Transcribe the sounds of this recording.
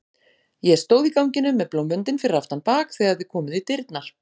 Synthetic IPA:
jɛɛɾ̥st̪oːwðikawɲcɪnʏmːɛðplowmʏnt̪ɪnfɪɾɪɾaft̪anpaːkθɛːɣaðθɪ̥kʰɔːmʏðit̪ɪɾt̪naɾ̥

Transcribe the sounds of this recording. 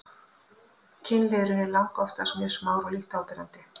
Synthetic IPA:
cʰɪnleðɾɪnɪlawŋkɔft̪asmjʏːsmaːwɾɔliht̪awpɪɾant̪ɪ

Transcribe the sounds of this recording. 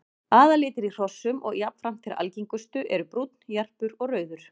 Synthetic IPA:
aːðalɪːt̪ɪɾir̥ɔsːʏmʔɔ̰ɣjapn̥fɾam̥t̪ʰɪɾa̰lciŋkʏst̪ʏʔɛɾʏpɾut̪n̥jar̥pʏɾɔɣrœːɥðʏɾ̥

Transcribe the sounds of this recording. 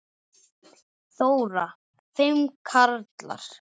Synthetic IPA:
θoːwɾa | fɪmkʰaɾt̪la̰ɾ̥

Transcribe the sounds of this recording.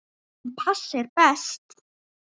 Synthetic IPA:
pʰaɬerpæst̪

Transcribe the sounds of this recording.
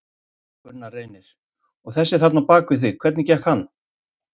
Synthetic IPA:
kʏɾnːareːjnɪɾ̥ | ɔɣθɛsːɪ̥θap̪napaːkvʏθvɪkʰvɛɾt̪nɪcɛhkhanː

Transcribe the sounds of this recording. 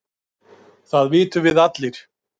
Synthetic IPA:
θaðvɪːt̪ʏvɪðat̪lɪɾ̥

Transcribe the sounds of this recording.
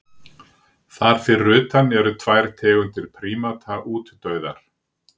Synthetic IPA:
θaɾ̥fɪɾrːʏːt̪anɛɾʏt̪ʰvajɾ̥t̪ʰɛːɣʏnt̪ʰɪlpʰɾiːmat̪ʰaʔuːt̪t̪œːɥða̰ɾ̥

